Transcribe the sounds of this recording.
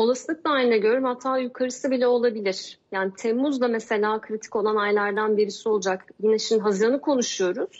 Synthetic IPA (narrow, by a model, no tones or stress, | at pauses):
o̞lˠaslˠɯk̚d̪ˠaːjiinɛɟø̞ɾɾymhat̪ʰːaːjukʰaɾɯsɯbilʲɛo̞lˠabilʲiɾ̥jaːnit̪ʰɛmːuzlˠamese̞lʲaːkʰɾit̪ʰi̥co̞lˠanajlʲˠaɾd̪anbiɾisio̞lˠd͡ʒakjinɛʃinɦazɾanɯkʰo̞nuʃujo̞ɾuz̥